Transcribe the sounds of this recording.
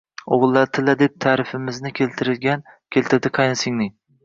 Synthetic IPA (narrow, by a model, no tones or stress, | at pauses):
oʁɨlˠːaɾt̪ʰɪlad̪ep̚t̪ʰaːɾɪfɪmɪznɪkʲʰelt̪ʰɪɾɪlɡʲan | kʲʰelt̪ʰɪɾd̪ɪqʰɑjnasɪŋnɪ